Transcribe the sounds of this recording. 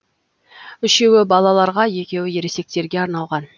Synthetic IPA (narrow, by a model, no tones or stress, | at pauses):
ʏʃe̞wɪbɑlˠɑlˠɑɾʁɑje̞kʲe̞wɪje̞ɾe̞se̞k̚t̪e̞ɾɡʲe̞ɑɾnɑlˠʁɑn